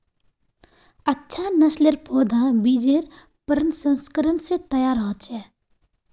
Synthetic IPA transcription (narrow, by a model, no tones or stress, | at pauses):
ətːʃʰanəsleɾpʰod̪ʱãbid͡ʒeɾ | pəɾənsə̃nskəɾənsẽt̪əjaɾəɦət͡ʃʰɛ